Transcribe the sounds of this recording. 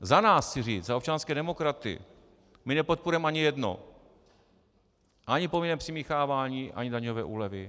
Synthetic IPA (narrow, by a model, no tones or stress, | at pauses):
zanaːst͡sɪriːt͡szaopt͡ʃanskɛːdɛmokɾat̪ɪ̰ | mɪnɛpot̪̚puɾuɛmʔaɲɪjɛdno̰ | ʔaɲɪpovɪnɛmpr̥ɪmiːxaːvaːɲiːʔa̰ɲɪdaɲovɛ̰ːʔuːlɛvɪ